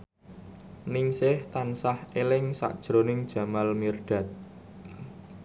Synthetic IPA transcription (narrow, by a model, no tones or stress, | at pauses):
niŋsɪht̪ansahelɪŋsa̰ʔd̥ʒ̥ɾonɪŋd̥ʒ̥ä̤malmirɖ̪̥a̤t̪̚